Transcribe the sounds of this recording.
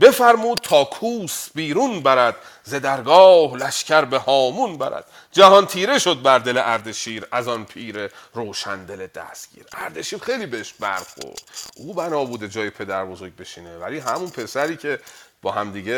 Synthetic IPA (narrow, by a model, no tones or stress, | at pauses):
be̞fæɾmuːd̪̥̚t̪ʰɒːkʰuːsbiːɾunbæɾæd̪̥ | ze̞d̪æɾɡɒːhlæʃcæɾbe̞hɒːmunbæɾæ̰d̪̥ | d͡ʒæhɒnt̪ʰiːɾe̞ʃo̞d̪̚bæɾd̪e̞leʔæɾd̪e̞ʃiːɾæzɒnpʰiːɾeɾoːʃænd̪e̞led̪æ̰st̪ɟ̥ḭːɾæ̰ɾd̪eʃiːɾxe̞jliːbeeʃbæ̰ɾxo̰ɾd̪̥ʔuːbænɒːbuːd̪ed͡ʒɒːjepʰe̞d̪æɾbo̞zo̞ɾɟ̚be̞ʃiːnevæliɦæmunpʰe̞sæɾiːcʰe̞b̥ɒːhæmd̪iːɟe